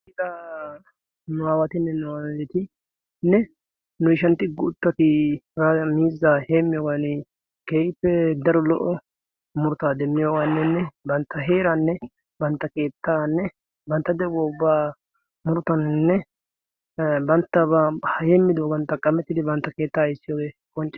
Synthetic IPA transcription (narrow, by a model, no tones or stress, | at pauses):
d̪a | nʊaːwɐt̪ɪnːɛnʊaːet̪ɪ | nːɛ | nʊɪʃɐnt̪ːɪɡʊt̪ːɐt̪ɪɾamiːzːaheːmːɪjoːɡanɪ | keːɪpːɛd̪ɐɾɔlɔʔɔ | mʊɾʊt̪aːd̪ɛmːɪjoːɡanːɛnːɛbɐnt̪ːɐɦeːɾanːɛ | bɐnt̪ːɐke̞ːt̪ːaːnːɛ | bɐnt̪ːɐd̪ɛboʊbːaː | mʊɾʊt̪ɐnnːɛ | bɐnt̪ːɐbɐhɐheːmːɪd̪obɐnt̪ːɐkʼɐmɛt̪ːɪd̪ɪbɐnt̪ːɐke̞ːt̪ːaːɪsːɪjoːɡeːkʼɔnt͡ʃʼːɪ